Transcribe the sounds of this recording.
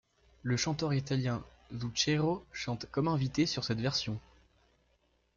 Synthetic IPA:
ləʃɑ̃t̪œʁit̪aljɛ̃zut͡ʃeʁoʃɑ̃t̪kɔmɛ̃vit̪esyʁsɛt̪vɛʁsjɔ̃

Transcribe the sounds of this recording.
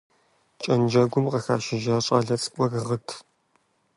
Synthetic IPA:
t͡ʃʼɐnd͡ʒɐɡʷʊmqɐxa̰ːʃɪʒaːɕʼa̰ːɮɐt͡sʼɨ̥kʷʼɔrʁətʰ

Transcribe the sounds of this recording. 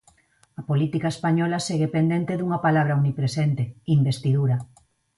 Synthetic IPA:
ɐpolit̪ikaespaɲɔlaseɣepend̪ent̪eðuŋɐpalaβɾaunipɾesent̪eimbest̪iðuɾɐ

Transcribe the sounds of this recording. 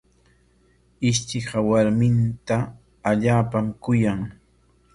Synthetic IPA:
ɪʃt͡ʃɪɢɑwaɾmɪnt̪a | aʎaːpamkʊjaŋ

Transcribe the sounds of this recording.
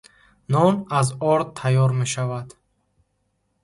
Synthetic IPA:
nɔnazɔɾ̚t̪ʰajɔɾme̞ʃavad̪

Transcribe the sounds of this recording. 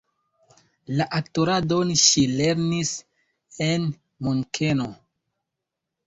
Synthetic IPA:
laʔaktoɾado̞nʃile̞ɾnis | en | monkʰeno

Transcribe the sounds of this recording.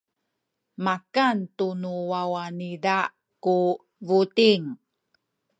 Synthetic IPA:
makantunuwawanida | ku | vutiŋ

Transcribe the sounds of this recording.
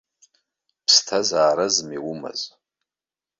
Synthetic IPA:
pʰstʰazaːɾazmiwʊma̰z

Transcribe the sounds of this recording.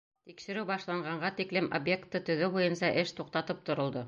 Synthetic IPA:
t̪ikʃɘ̆ɾɘwbɑʃlˠɑɴɢɑɴɢɑt̪iklɘmʔobje̞kt̪ːɤt̪ɵ̆ðɘbujɤnsɑʔɘʃt̪uqt̪ɑt̪ɤp̚t̪ŏɾŏlˠd̪ɤ

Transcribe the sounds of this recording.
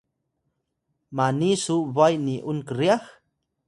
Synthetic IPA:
manisuβajniʔunkəɾiax

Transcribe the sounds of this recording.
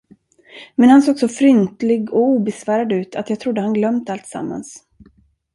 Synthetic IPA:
mɛnhansoːɡsofɾʏnt̪lɪɡɔuːbɛsvæːɾad̪ʉ̟ːt̪ʰat̪jɑːɡ̚t̪ʰɾʊd̪ːəhanɡlœmt̪alt̪sa̰mːa̰ns

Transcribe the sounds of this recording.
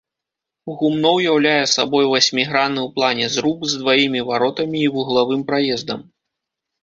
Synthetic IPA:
uɣumnɔwjawlʲajɛsa̰bɔjvasʲmʲiɣɾanɨwplˠanʲɛzɾukzd̪vajimʲivaɾɔt̪ɐmʲiːvuɣlˠavɨmpɾajɛzd̪ɐm

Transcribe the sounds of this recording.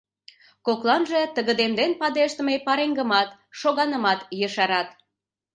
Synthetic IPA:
koklɑnʒe̽t̪əɣəd̪emd̪enpɑd̪eʃt̪əmepɑɾeŋɡə̆mɑt̪ | ʃoɣɑnəmɑt̪jəʃɑɾɑt̪

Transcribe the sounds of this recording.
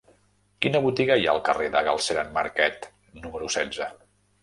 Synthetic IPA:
kinəβut̪iɣəiaəlˠkəreðəɣa̰lˠseɾənmaɾkɛt̪ | numəɾusɛd͡zə

